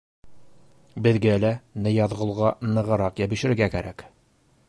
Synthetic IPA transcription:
bɘ̆ðɡælænɘjɑðʁɤ̆lˠʁɑnɤ̆ʁɤ̆ɾɑqjæbɘ̆ʃɘ̆ɾɡækæɾæk

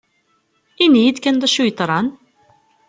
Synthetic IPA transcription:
inːijid̪kænd̪æʃujt̪ˤɾˤɑn

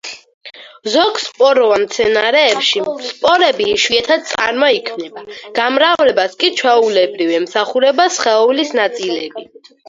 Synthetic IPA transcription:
zɔɡspʼɔɾɔvamt̪sʰɛnaɾɛːpʃispʼɔɾɛbiʃwiɛt̪ʰad̪̚t̪sʼa̰ɾmaikʰmnɛbaɡ̥amɾavlɛbaskʼit͡ʃʰwɛulɛbɾivɛmsaχuɾɛbasχɛɔvlisnat̪sʼilɛbi

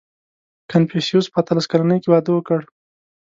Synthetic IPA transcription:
kʰanpesijuspəat̪əlaskalanəjkewɑd̪əwəkəɽ

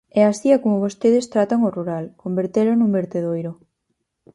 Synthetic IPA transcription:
ɛasiakomoβost̪eðest̪ɾat̪aŋoruɾalkombeɾt̪elonumbeɾt̪eðojɾo

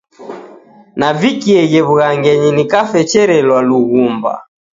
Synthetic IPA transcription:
navikiɛɣɛβuɣaŋɡɛɲinikafɛt͡ʃɛɾɛlwaluɣumba̰

